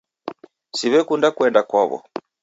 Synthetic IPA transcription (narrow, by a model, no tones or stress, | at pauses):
siβɛkundakwɛndakwaβɔ̰